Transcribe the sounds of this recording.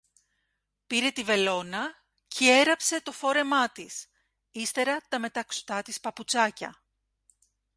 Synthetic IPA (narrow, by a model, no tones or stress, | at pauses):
piɾe̞t̪ive̞lo̞nɐ | cʰee̞ɾɐpse̞t̪o̞fo̞ɾe̞mɐt̪is | ist̪e̞ɾɐt̪ɐme̞t̪ɐkso̥t̪ɐt̪ispɐput͡sɐcɐ̰